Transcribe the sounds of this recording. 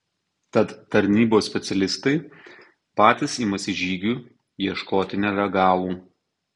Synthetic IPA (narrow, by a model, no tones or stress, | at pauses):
t̪ɐt̪t̪ɐɾʲnʲiːboːsʲpʲɛt̪sʲɛlʲɪst̪ɐɪ | pɑːt̪ʲɪsiːmɐsʲɪʒʲiːɡʲuː | jiɛʃkoːt̪ʲɪnʲɛɾʲɛɡɑːʋˠuː